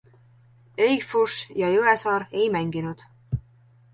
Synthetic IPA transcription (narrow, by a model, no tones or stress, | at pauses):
ejfuʃjɑjʉesɑːɾejmæŋɡ̥inud̪̥